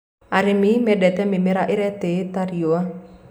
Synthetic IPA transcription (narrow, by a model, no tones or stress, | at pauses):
aɾimimɛdɛt̪ɛmimeɾaʔiɾɛt̪et̪aɾioa